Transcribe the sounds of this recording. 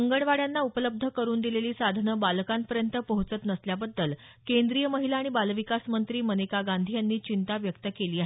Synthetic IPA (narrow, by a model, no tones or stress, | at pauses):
əŋɡəɽʋaɽjanːaupələb̚d̪ʱəkəɾuːnd̪ileliːsad̪ʱnəbalkampəɾjənt̪əpəɦut͡sət̪nəsljabəd̪ːəl | kend̪ɾijəməɦilaːɽ̃ibalʋikasmənt̪ɾiːmənekaɡand̪ʱijanːiːt͡ɕint̪aʋjək̚t̪əkeliːaɦe